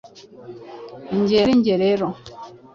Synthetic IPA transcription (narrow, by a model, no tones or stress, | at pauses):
ɲ̩d͡ʒeɾiɲd͡ʒeɾeɾɔ